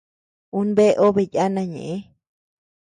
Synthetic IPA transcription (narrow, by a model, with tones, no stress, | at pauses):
u˦nbe˦ʔo˦βe˧ja˦nã˧ɲḛ̃˨ʔe˦